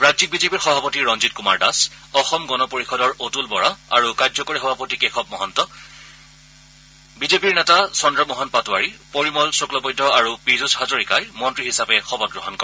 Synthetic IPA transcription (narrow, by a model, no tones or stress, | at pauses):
ɹazik̚bizepiɹxɔbʱapotiɹɔnzitkuma̰ɹda̰s | ɔxɔmɡɔnɔpoɹixɔdɔɹotulbɔɹaa̰ɹukajdzɔkoɹixɔbʱapotikɛxʰɔpmɔɦɔntɔ | bizepiɹnɛtasɔndɹɔmɔɦɔntpatʊaɹipoɹimɔlsoklɔbɔjdʱɔaɹupizushazoɹikajmɔntɹiɦisapɛxɔbɔt̚ɡɹɔɦɔnkɔɹɛ